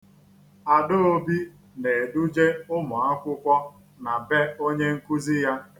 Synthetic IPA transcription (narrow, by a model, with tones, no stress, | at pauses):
a˨do˦o˦bi˦ | ne˨du˦d͡ʒe˦ʊ˦mʊ˨a˦kʷʊ˦kʷɔ˦ | na˨be˦o˦ɲe˦ŋ̩˦ku˦zi˦ja˦